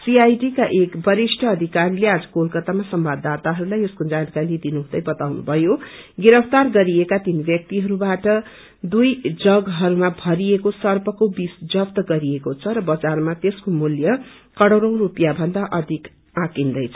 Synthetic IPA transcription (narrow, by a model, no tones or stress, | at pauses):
siajɖikaʔekbʌɾisʈʰʌːd̪ʱikaɾilead͡zʌ̥kolkʌt̪amasʌmbad̪ːat̪aɦʌɾulajeskod͡zankaɾilid̪inuɦũd̪ʌjbʌt̪awnṵbʱʌjoɡiɾʌpʰt̪arɡʌɾiekat̪inbjʌk̚t̪iɦʌɾubaʈʌ | d̪ujd͡zʌɡɦʌɾumabʱʌɾiekosʌrpʌkobisd͡zʌpt̪ʌɡʌɾiekot͡sʰʌɾʌbʌd͡zarmat̪eskomuljʌ | kʌɽʌwɾʌ̃w̃rupijabʱʌnd̪aʔʌd̪ʱik | ãkind̪ʌjt͡sʰʌ